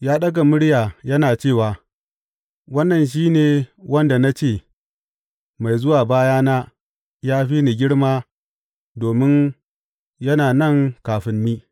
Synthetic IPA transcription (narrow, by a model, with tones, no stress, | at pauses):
jaː˦ɗɐ˦ɡa˨mʊ˦ɽjaː˨jɐ˦naː˨t͡ʃeː˦˨waː˨ | wɐ˦nːɐ˨nʃ̬iː˦neː˨wɐ˦nda˨na˦t͡ʃeː˦˨ | ma˨jzʊ˦waː˨baː˦jaː˦naː˦ | jaː˦ɸi˦ni˨ɡʲɪ˦ɽmaː˦ | doː˨mɪ˦n | jɐ˦naː˨nɐ˦˨ŋkaː˨ɸɪ˦mːiː˦